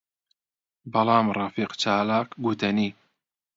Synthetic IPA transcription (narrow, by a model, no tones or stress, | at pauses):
bɑlɑːmrˤɑfiːqt͡ʃaːlaːkɡut̪ɐniː